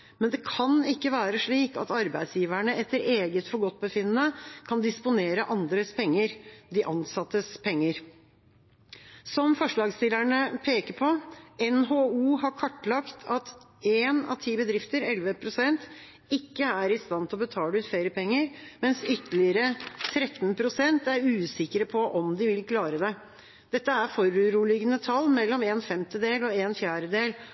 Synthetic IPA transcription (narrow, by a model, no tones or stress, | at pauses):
mɛnd̪ɛkʰɑnɪkːəʋæːɾəʂɭiːkɑ̰t̪ɑɾbæɪd̪sjiːʋæɳəɛt̪ːəɾeːɡət̪fɔɾɡɔt̪̚ːbəfɪnənəkʰɑnd̪ɪspʊneːɾəʔɑnd̪ɾəspʰɛŋːəɾd̪ɪʔɑnsɑt̪ːəspʰɛŋːəɾ | sɔmfɔʂɭɑːɡst̪ɪlæɳəpʰeːkəɾpʰɔɛnɦouːhɑɾkʰɔʈːlɑkt̪ʰɑt̪ | eːnɑ̰t̪ʰiːbəd̪ɾɪft̪əɾɛlʋəpʰɾʊsɛnt̪ | ɪkːəæɾɪst̪ɑnt̪ʰɪlɔbət̪ʰɑːləʉːt̪feːɾəpɛŋːəɾmɛnsʏt̪ːəlɪəɾət̪ʰɾɛt̪npʰɾʊsɛnt̪æɾʉːsɪkəɾəpʰɔʔɔmd̪ɪʋɪlkʰlɑːɾəd̪ɛ | d̪̥ɛt̪ːəæɾfɔɾʉɾuːlɪɡənət̪ʰɑlːmɛlːɔmeːnfɛmt̪əd̪eːlɔeːnfjæːɖəd̪eːl